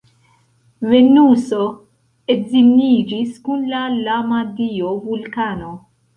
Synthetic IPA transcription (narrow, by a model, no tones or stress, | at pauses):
venuso | ezinid͡ʒiskunlalamad̪iovulkano̞